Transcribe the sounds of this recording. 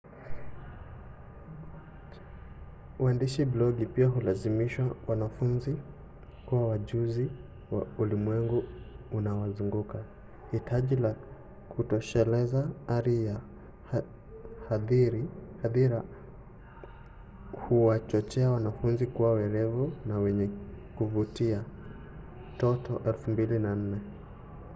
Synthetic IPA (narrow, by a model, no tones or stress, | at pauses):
wandiʃiblɔɡipiaɦulazimiʃwawanafunzi | kuwawaʄuzi | waulimwɛŋɡuunawazuŋɡuka | hitʰaʄila | kʰutɔʃɛlɛzaaɾija | haðiɾihaðiɾa | huwat͡ʃɔt͡ʃɛawanafunzikuwawɛɾɛvunawɛɲɛkuvutia | tɔtɔʔɛlfumbilinan̩nɛ